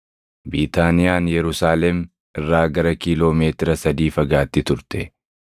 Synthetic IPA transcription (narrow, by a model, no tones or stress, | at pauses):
biːt̪aːnɪjaːnjɛɾʊsaːlɛm | ɪrːaːɡɐɾɐkiːlo̞ːme̞ːt̪ɪɾɐsɐd̪iːfɐɡaːt̪ːɪt̪ʊɾt̪ɛ